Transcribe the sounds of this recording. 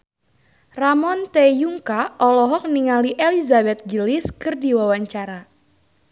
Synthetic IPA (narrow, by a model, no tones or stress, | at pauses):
ramɔnt̪ejuŋkaʔɔlɔɦɔk̚niŋaliʔelizabɛt̪̚ɡilɪskɨrdiwawaɲt͡ʃaɾa